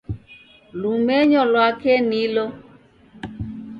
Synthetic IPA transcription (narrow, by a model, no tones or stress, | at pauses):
lumɛɲɔlwakɛnilɔ